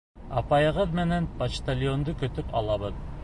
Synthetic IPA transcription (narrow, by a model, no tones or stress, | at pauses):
ɑpɑjɤ̆ʁɤðmɘ̆nænpɐʃt̪alʲjond̪okɵ̆t̪ɵpɑ̰lˠɑβɤð